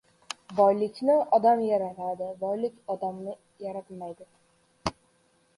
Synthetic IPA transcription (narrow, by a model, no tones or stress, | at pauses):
bɒjlɪt͡ʃnɪʔɒd̪amjaɾat̪ad̪ɪbɒjlɪkʲɒd̪amnɪ | jaɾat̪majd̪ɪ